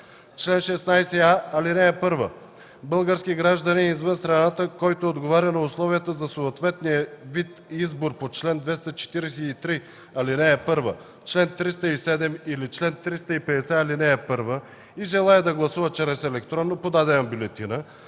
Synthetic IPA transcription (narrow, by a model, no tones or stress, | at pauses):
t͡ʃlɛnʃɛsnajsɛaɐlinɛːpɤɾvə | bɤlˠɡəɾskiɡɾaʒd̪ɐniizvənst̪ɾɐnat̪əkɔjt̪oːd̪ɡovaɾʲjənɐʊslˠɔvijət̪əzɐsoːt̪vɛt̪nijəvit̪izboɾpot͡ʃlɛnd̪vɛst̪ət͡ʃɛ̥t̪iɾɛsɛit̪ɾi | ɐlinɛːpɤɾvə | t͡ʃlɛnt̪ɾist̪əisɛd̪ɛmilit͡ʃlɛnt̪ɾist̪əipɛd̪ɛsɛɐlinɛːpɤɾvə | iʒɛlˠaɛd̪ɐɡlˠɐsuvət͡ʃɾɛsɛlɛkt̪ɾɔnːopod̪ad̪ɛɐmbʲulɛt̪inə